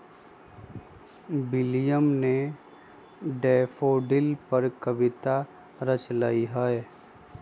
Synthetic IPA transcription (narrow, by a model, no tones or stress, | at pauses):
bɪlijəmne | ɖeːfoːɖɪlpəɾkəʋɪt̪a | ɾət͡ʃlaːiɦəe